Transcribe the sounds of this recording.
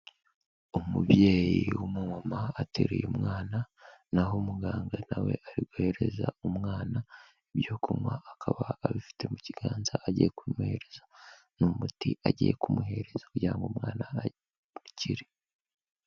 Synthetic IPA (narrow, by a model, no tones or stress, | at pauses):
omubje̞ːjiwumomamaːtʰḛɾḛjṵumŋaːna | naɦomuɡaːŋɡanawe̞̰ʔaɾiɡwohe̞ɾe̞za̰umŋaːna | ibjokʰumwaːkʰaβaːβifi̥te̞muciɡ̥aːnzaʔaɟijekumuhe̞ɾe̞za | numutiʔaɟijekumuhe̞ɾe̞z̥akuɟiɾaŋɡomŋaːna | uciɾe